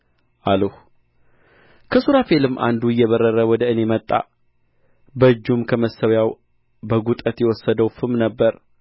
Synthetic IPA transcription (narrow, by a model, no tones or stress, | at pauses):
ʔaləh | kʰəsuɾafelɨmːʔa̰nd̪uɨjːɛβəɾːəɾəwɔd̪əɨne̞mət̪ʼːa̰ | bəɨd͡ʒːumkʰəməsəwjaw | bəɡut̪ʼət̪jɛwɔsːəd̪əwfɨmnəbːəɾ